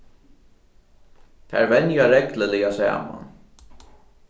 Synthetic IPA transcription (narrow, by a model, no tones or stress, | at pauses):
t̪ʰæ̰ɹvɛnjaɾɛkləlɛjasæ̰ːma̰n